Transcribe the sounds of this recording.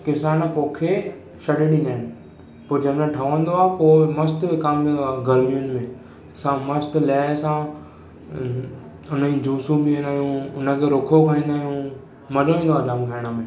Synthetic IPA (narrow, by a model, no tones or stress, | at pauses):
kɪsaːnəpoːkʰe | ʃɐɽeɗĩːnd̪aːɪnɪ̆ | poːd͡ʑɐmẽʈʰaʋə̃nd̪oaːpoːmɐst̪ʋɪkaːmĩːnd̪oaːɡɐɾmiʊnɪ̆mẽ | sãmɐst̪ljaːsã | ʊnəĩd͡ʑʱũːsũbɪẽːnd̪aːɦjũʊnə̆kʰeɾokʰokʰaĩːnd̪aːɦijũ | mɐɾoĩːnd̪oaːdamɡʱaːɽ̃əmẽː